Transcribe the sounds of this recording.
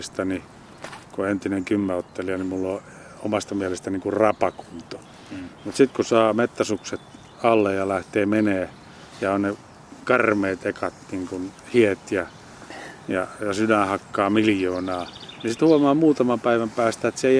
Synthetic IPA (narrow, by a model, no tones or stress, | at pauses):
st̪ɑni | koent̪ineŋkymːæot̪ːeliɑnimulːo | omɑst̪ɑmielest̪æniːŋkurrɑpɑku̥nt̪o̥ | mut̪sit̪kusɑːmet̪ːæsukset̪ | ɑlːejɑlæht̪eːmeneː | jɑonne | kɑrmeːt̪ekɑt̪niŋkunhiet̪jɑ | jɑjɑsydænhɑkːɑːmiljoːnɑːnisit̪huomɑːmuːt̪ɑmɑmpæiʋæmpæːst̪æet̪seei